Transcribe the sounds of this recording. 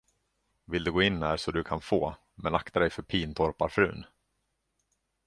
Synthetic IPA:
vɪld̪ɵɡoːɪnːæːʂɔd̪ɵkʰanfoː | mɛnakt̪ʰad̪ɛjfœɾpʰiːnt̪ʰɔɾpaɾfɾʉ̟̰ːn

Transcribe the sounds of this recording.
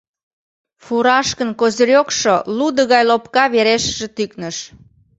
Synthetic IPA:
fuɾɑʃkənkozəɾʲjokʃolud̪əɣɑjlopkɑβeɾeʃəʒĕt̪yknəʃ

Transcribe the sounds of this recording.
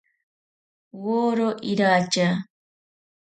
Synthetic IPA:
woɾoʔiɾaːt͡ʃa

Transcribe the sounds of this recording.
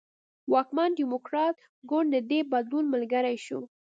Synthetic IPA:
wɑkmanɖimokɾɑt̪ | ɡʊɳɖd̪əd̪ebad̪lunməlɡaɾajʃu

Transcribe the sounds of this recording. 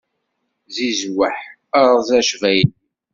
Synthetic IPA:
zizwəħ | əɾˤzæʃvæjən

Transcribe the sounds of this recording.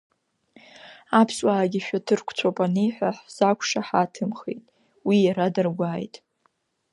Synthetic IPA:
apʰswaːɡʲiʃᶣatʰɨrkʷʰʼt͡sʷʰapʼanejħʷaħz̥akʷʰʂaħatʰɨmχḛjtʼ | wijaɾadɨrɡʷaːjtʼ

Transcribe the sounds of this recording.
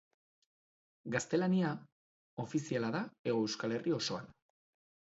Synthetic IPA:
ɡast̪e̞lania | o̞fisialaðae̞ɣoe̞wskale̞rʔio̞so̞an

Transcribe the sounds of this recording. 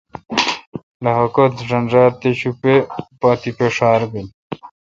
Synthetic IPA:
lɐɦɐkot̪ʐɐnd͡ʑaːɾt̪eɕupepaːt̪ipeʂaːɾbil

